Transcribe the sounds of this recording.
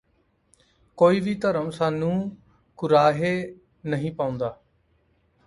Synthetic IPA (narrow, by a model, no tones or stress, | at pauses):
koːiːʋiːt̪əɾəmsaːnũː | kʊɾaːɦeː | nəɦĩːpaːʊ̃ːnd̪aː